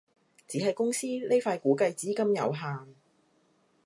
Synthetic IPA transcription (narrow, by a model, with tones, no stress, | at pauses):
t͡siː˨˥hɐ˨jkʊ˥ŋsiː˥le˥faː˧jkuː˨˥kɐ˧jt͡siː˨˥kɐ˥mjɐ̰˨˧wɦaː˨ŋ